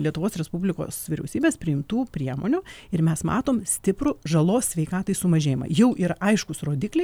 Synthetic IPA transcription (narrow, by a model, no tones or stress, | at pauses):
lʲiɛt̪ʊʋoːsɾʲɛspʊbʲlʲɪko̰ːsʋʲɪɾʲɛ̰ʊsʲiːbʲeːspʲɾʲɪɪmt̪uːpʲɾʲiɛmo̰ːnʲʊɪɾmʲɛsmɑ̰ːt̪oːmsʲt̪ʲɪpɾʊʒɐlˠoːsʲsʲʋʲɛɪkɑːt̪ɐɪsʊmɐʒʲeːjɪmɐ̰jɛʊʔiːɾɐʔɐɪʃkʊsroːd̪ʲɪːklʲɪ